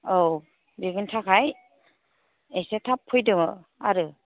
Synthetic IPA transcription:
ow | beɡɯntʰakʰaj | ejsetʰapʰːɯjdɯmɯ | a̰ɾɯ

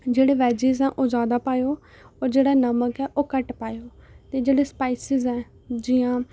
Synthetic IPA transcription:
d͡ʒeːɽeːʋɛːd͡ʒiːzɛ̃ːʔoːd͡ʒaːd̪aːpaːjoː | ɔːɾd͡ʒeːɽaːnəməkɛːʔoːkəʈpaːjoːt̪eːd͡ʒeːɽeːspaːisɪzɛ̃ː | d͡ʒɪjãː

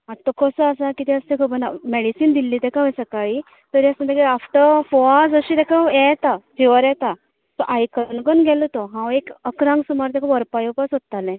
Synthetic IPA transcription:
at̪ːɔkʰɔsəasakit̪iəst̪ɛ̃kʰəbənamɛɽisiːnd̪ilːit̪ɛkaɦəjsəkaɭi | t̪əɾjasənd̪əkiafʈəfɔad͡zəɕiːt̪ɛkajɛt̪afjuʋəɾɛt̪a | t̪ɔʔajkəɾnɡənɡʱɛlɔt̪ɔɦãwekəkɾãŋɡsumaɾt̪ɛkʰəʋəɾpajopasɦot̪ːalɛ̃

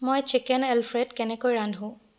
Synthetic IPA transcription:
mojt͡ʃikɛnɛlpʰɹedkɛnɛkojɹandʱɦʊ̃

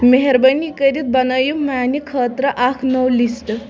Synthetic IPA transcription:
meɦeɾbənikəɾiːt̪̚bɐnajumanikʰːəːt̪ɾəʔakʰnɔwlisʈ

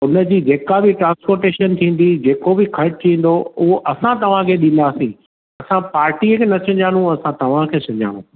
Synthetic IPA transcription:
ʊnə̆d͡ʑiːd͡ʑeːkabɪʈɾãːnspoːɾʈeːʃənt̪ʰĩːn̆d̪id͡ʑeːkobɪkʰɐɾʈ̚t̪ʰĩːn̆d̪oʊɦoʔɐsãt̪ɐʋ̤ãkʰeːɗĩːn̆d̪aːsĩː | ɐsãpaːɾʈiːəkʰeːnɐsʰɐ̃ɲd͡ʑãːnũɐsãt̪ɐʋ̤ãkʰeːsɐ̃ɲd͡ʑʱa̰ːɽ̃ṵ̃

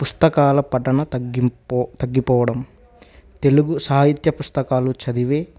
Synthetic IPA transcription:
pust̪ɐkaːlɐpɐʈːɐɳɐ | t̪ɐɡːipɔːʋɐɽɐm | t̪e̞luɡusaːɦit̪jɐpust̪ɐkaːlut͡ʃɐd̪iʋeː

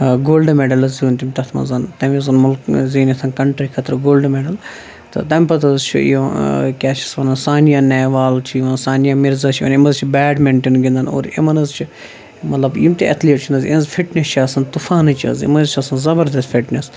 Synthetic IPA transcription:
ɡoːlɖmeɖɐlɐzuːnt̪imt̪ɐt̪ʰmɐ̰nzɐnt̪ɐmʲizɐnmulkziːnɐt̪ʰɐnkɐɳʈɾikʰɐt̪ɾɨɡoːlɖmeɖɐl | t̪ɨ̰t̪ɐmʲpɐt̪ɐzt͡ʃʰṵ | kʲaːt͡ʃi̥sʋɐnɐnsaːnijaːnɛːʋaːlt͡ʃʰiimɐnsaːnijaːmiɾzɐt͡ʃʰiɐ̰nimɐzt͡ʃʰibɛːɖmeɳʈenɡʲind̪ɐno̰ːɾḭmɐnɐzt͡ʃʰi | mɐt̪lɐbḭmt̪iɐt̪ʰleːʈ̚t͡ʃʰund̪ɐzḭnɐzfʰiʈnʲest͡ʃʰiaːsɐnt̪ufaːnɐt͡ʃʰɐ̰zḭmɐnzt͡ʃʰɐsɐnzɐbɐɾd̪ɐst̪fʰiʈnes

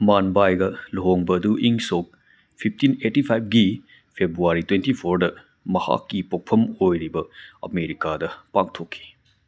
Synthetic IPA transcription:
manbajɡɐloɦoŋbɐːduʔiŋsok̚ | pʰip̚ʰtinetipʰajp̚ɡi | pʰebɾuaɾitwentipʰoɾdɐ | mɐha̰kːipok̚pʰɐmojɾibɐɐ̰meɾikadɐpaktʰokʰːi̥

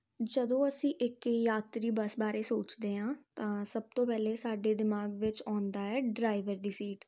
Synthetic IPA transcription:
d͡ʒəd̪õːəsĩːʔɪkjaːt̪ɾiːbəsbaːɾeːsoːt͡ʃd̪eːɦãːt̪ãːsəb̚t̪õːpɛːleːsaːɖeːd̪ɪmaːɡʋɪt͡ʃɔːnd̪aːɛːɖɾaːɪʋəɾd̪iːsiːʈ

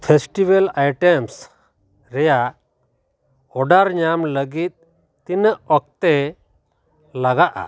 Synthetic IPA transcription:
pʰesʈibəlajʈɛms | ɾɛjaʔ | ɔɖaɾɲamləɡit̪̚ | t̪inəʔɔk̚t̪ɛ | laɡaʔa̰

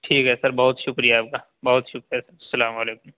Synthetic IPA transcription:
ʈʰiːkɦɛsɐɾbɐɦʊt̪ʃʊkɾijaːp̚kaː | bɐɦʊt̪ʃʊkɾijasɐɾsɐlaːmaleːkʊm

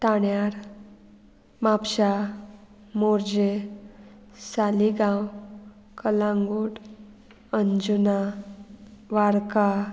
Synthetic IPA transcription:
t̪aɳjaɾ | mapɕa | moɾd͡ʑe | saliɡãw | kəlãŋɡuɽ | əɲd͡ʑuna | ʋaɾka

